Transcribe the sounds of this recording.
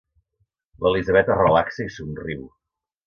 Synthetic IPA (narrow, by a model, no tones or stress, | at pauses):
ləlizəβ̞ɛt̪ərəlaksəisunriw